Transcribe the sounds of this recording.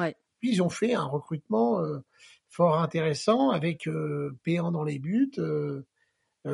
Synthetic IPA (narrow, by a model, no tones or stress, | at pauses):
pɥiilzɔ̃fɛɛ̃ʁəkχyt̪mɑ̃ø | fɔʁɛ̃t̪eʁesɑ̃avɛkʰøpeɑ̃d̪ɑ̃lebyt̪ø